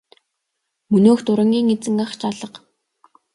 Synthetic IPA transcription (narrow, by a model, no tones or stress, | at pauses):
mɵnoːxt̪ʊɾə̆ŋɡʲiːŋet͡sɘ̆ŋaχt͡ɕʰaɮə̆q